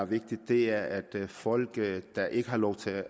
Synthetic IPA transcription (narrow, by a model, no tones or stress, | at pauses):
ʋe̝ɡ̥̚d̥id̥ːe̝æɐæd̥fɒ̽l̰ɡ̥d̥ɑʔe̝ɡ̥əɦɑ̈lɒʊ̰t͡sʰe̝